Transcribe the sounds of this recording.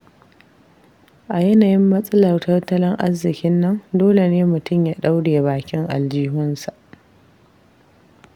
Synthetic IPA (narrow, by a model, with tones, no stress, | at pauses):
ʔa˨jɛ˦naː˨jɪ˦mːɐ˦sʼɐ˦lɐ˨rtɐ˦rtɐ˦lɪ˦ŋʔa˦zɪ˨kʲɪ˦nːɐ˦ndoː˦le˨neː˦mʊ˨tʊ˦˨mjaː˦ɗa˦wɽeː˨baː˨kʲɪ˦ŋʔa̰˨ld͡ʒiː˦ɦʊ˦nsa˨ʔ